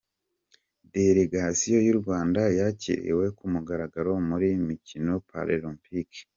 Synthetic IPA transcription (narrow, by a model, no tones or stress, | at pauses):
de̞ɾeɡasijo̞juɾɡwaːndajacḭɾḛwe̞kumuɡaɾaɡaɾo̞muɾimicino̞pʰa̰ɾelompike̥